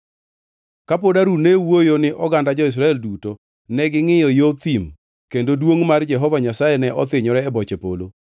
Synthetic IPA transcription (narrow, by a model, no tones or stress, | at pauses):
kapodaɾunewojonɪʔɔɡandad͡ʒɔɪs̬ɾaɛlduto | nɛɡɪŋɪjɔjot̪im | kendodwoŋmard͡ʒɛɦɔvaɲasajenɛʔɔt̪ɪɲɔɾɛːbɔt͡ʃepo̰lo